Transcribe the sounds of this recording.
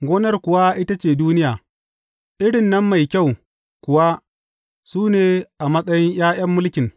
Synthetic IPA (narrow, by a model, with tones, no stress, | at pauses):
ɡʷoː˦nɐ˦rkʷʊ˨wa˦ʔɪ˦ta˦t͡ʃeː˨duː˦nɪ˦jaː˨ | ʔɪ˦ɽɪ˨nːɐ˦mːa˨jkʲa˦˨w | kʷʊ˨wa˦ | suː˦neː˨ʔa˨mɐ˦sʼɐ˦jɪ˦ɲj̰aː˦j̰ɐ˦mːʊ˦lkʲɪ˨ŋ